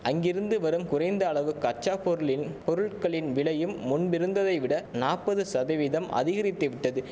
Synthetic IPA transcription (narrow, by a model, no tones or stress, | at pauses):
ɐŋɡɪɾɯnd̪ɯʋɐɾɯmkʊrɐɪnd̪ɐːɭɐʋɯkːɯɐt͡ʃːaːpɔɾɯɭɪnpɔɾɯɭkɐɭɪnʋɪɭɐjɯmːʊnbɪɾɯnd̪ɐðɐɪʋɪɽɐnaːpːɐðɯsɐðɐʋɪðɐmʔɐ̰ðɪɣɐɾɪt̪ːɯʋɪʈːɐðɯ